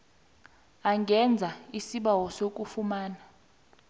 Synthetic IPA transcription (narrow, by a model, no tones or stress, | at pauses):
aŋɡʱɛnd͡zʱaisiɓawɔsok̬ʼufumaːna